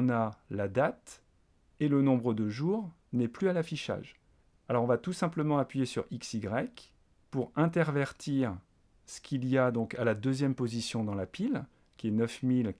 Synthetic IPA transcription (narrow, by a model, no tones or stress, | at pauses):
nalad̪at̪ | elənɔ̃bʁəd̪əʒuːʁ | nɛplyalafiʃa̰ʒ | alɔʁɔ̃vat̪usɛ̃pləmɑ̃apɥijesy̰ʁiksiɡʁɛk | puʁɛ̃t̪ɛʁvɛʁt̪iʁ | sə̥kʲʰilijad̪ɔ̃kalad̪øzjɛmpozisjɔ̃d̪ɑ̃lapil | kʲiɛnœfmil